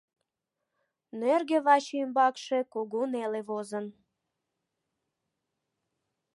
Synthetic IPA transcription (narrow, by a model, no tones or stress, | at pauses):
nørɣeβɑt͡ɕymbɑkʃekoɣoneleβozən